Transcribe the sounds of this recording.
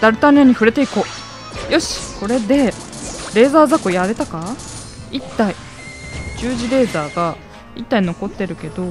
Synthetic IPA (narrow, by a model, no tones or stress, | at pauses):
d̪̥aɾɯ̟t̪ãneɲ̟iɸɯ̟ɾe̞t̪e̞iko̞ː | jo̞ɕi̥ko̞ɾe̞d̪e̞ | ɾe̞ːzaːzakojaɾe̞t̪aka | it̪ːai | d͡ʑɨːʑiɾe̞ːzaːɡa | it̪ːaino̞ko̞t̪ːe̞ɾɯ̟ke̞d̪o̞